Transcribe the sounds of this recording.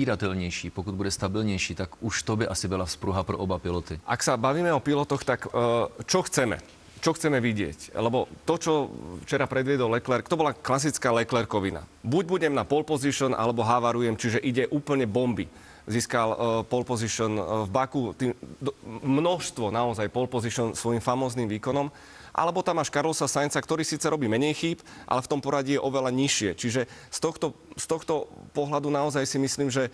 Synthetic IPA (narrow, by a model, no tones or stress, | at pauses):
iɾat̪ɛlɲɛjʃiːpɔkud̪budɛst̪abilɲɛjʃiːt̪akuʃt̪ɔbɛʔasibɛlafspɾuɦapɾɔ̰ʔɔbapilɔt̪iʔaksabaʋiːmɛɔpilɔt̪ɔxt̪akt͡ʃɔxt͡sɛmɛ̰ | t͡ʃɔxt͡sɛmɛʋiɟɪɛ̰clɛbɔt̪ɔt͡ʃɔft͡ʃɛɾapɾɛd̪ʋɪɛd̪ɔllɛklɛɾkt̪ɔbɔlaklas̬it͡skaːlɛklɛɾkɔʋina̰buɟbuɟɛmnapɔlpɔziʃɔnʔa̰lɛbɔɦaʋaɾujɛmt͡ʃiʒɛʔiɟɛʔuːpl̩ɲɛbɔmbi | ziːskalpɔlpɔziʃɔnvbakut̪iːmd̪mnɔʃst̪ʋɔnaɔzajpɔlpɔziʃɔnsʋɔjimfamɔːzniːmʋiːkɔnɔm | ʔa̰lɛbɔt̪amaʃkaɾlɔsasajnt͡sakt̪ɔɾiːsiːt͡sɛɾɔbiːmɛɲɛjxiːpʔa̰lɛft̪ɔmpɔɾaɟɛjɛʔɔʋɛlaɲiʃɪɛt͡ʃiʒɛst̪ɔxt̪ɔ | st̪ɔxt̪ɔpɔɦlad̪unaɔzajsimisliːmʒɛ